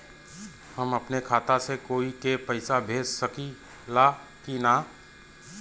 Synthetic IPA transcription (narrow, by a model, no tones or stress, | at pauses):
hɐmɐpnekʰaːt̪asekoːikepɐɪsabʱeːd͡ʒsɐki | laː | kinaː